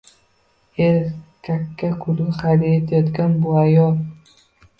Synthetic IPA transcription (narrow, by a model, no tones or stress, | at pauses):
eɾkʰʲːakʰːakʰʊɾɪχaɾijet̪ʰjɒt̪ɡʲanbʊajɒlˠ